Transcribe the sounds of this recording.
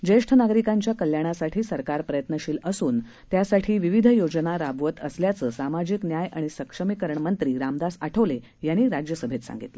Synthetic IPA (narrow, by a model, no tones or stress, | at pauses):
d͡ʑeʂʈʰənaɡɾikaɲt͡ɕjakəljaɽ̃asaʈʰiːsəɾkaɾpɾəjət̪nəɕiːləsuːn | t̪jasaʈʰiːʋiʋid̪ʱəjod͡ʑnaɾabʋət̪əsljat͡səːsamad͡ʑiknjajʔaɽ̃isəkʂəmikəɾɳmənt̪ɾiːɾamd̪asaʈʰəʋle | jañːiːɾad͡ʑjəsəbʱet̪sã̰ŋɡit̪le